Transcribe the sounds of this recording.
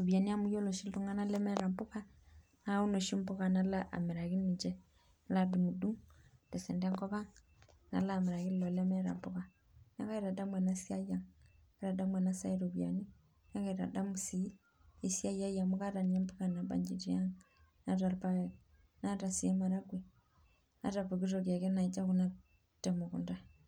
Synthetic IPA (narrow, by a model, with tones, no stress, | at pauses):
u˨βja˨ni˦a˦mu˦jɔ˦lo˨ʃi˦ltu˦ŋa˦na˦lɛ˦mɛ˦ɾa˨mpu˦ka˦ | na˦u˦no˨ʃi˦m˦pu˦ka˨na˦la˦ʔa̰˨mi˨ɾa˨ɣi˦ni˨d͡ʒɛ˦ | na˦la˦du˨mu˨du˦ŋtɛ˨sɛ˨nda˦ŋkɔ˦βa˦ŋ | na̰˨laː˦˨mi˨ɾa˨ɣi˦llɔ˨lɛ˦mɛ˦ɾa̰˨mpu˦ka˨ | na˦ka˦i˦ɾa˨da˦mwɛ˨na˦si˦a˦ja˨ŋ | i˦ɾa˨da˦mwɛ˨na˦sa˦i˦ɾo˨bja̰˨ni˦ | na˦ka˦i˨ɾa̰˨da˦mu˨si˨˦ | i˦si˦a˦ja˦ja˨mu˦ka˦ɾa˨n˨˦a˦mbu˦ka˨na˨ba̰˨ɲd͡ʒi˨ti˦ja˦ŋ | na˦ɾa˨ɾpa˦˨ | na˦ɾa˨si˨e˦ma˨ɾa˦ɡwe˨ | na̰˦ɾa˨pu˨ki˦ɾo˨ɾja˨ke˦na˨i˨d͡ʒa˦ku˦na˦ | tɛ˨mu˨kṵ˨nda˦